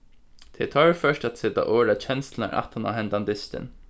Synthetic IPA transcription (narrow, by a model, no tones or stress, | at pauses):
t̪ʰɛt̪ʰɔɹfœʂʈæt̪sɪt̪a̰ʔoːɹat͡ɕʰɛnst̪l̩a̰ɾʔa̰ht̪ʰana̰ɦɛnd̪and̪ɪst̪ɪ̰n